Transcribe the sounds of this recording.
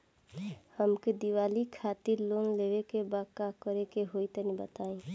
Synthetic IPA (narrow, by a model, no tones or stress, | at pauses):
həmked̪iwalikʰat̪iɾlonlewekebakakəɾekeɦoit̪ənibət̪aĩ